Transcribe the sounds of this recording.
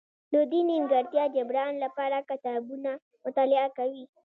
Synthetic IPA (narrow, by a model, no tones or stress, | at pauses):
dod̪inimɡɐɾt̪jaːd͡ʒɐbɽaːɪnlapaːɾakɐt̪aːbuna | mʊt̪aːlɪʔakawi